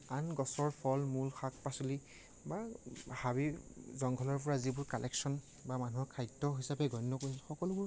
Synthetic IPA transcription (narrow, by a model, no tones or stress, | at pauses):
anɡɔsɔɹpʰɔlmulxak̚pasuli | bahabizɔŋɡʰʱɔlɔɹp̬ɔɹazibʊɹkalʔɛksɔn | bamanuɦɔɹkʰajtːɔɦisapɛɡɔjnːɔkoɹis̬ilxɔkɔlʊbʊɹ